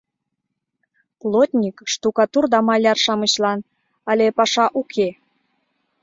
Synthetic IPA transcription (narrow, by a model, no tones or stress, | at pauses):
plˠot̪ʲnʲikʃt̪ukɑt̪urd̪ɑmɑlʲɑrʃɑməɕlɑn | ɑlʲepɑʃɑʔukʰe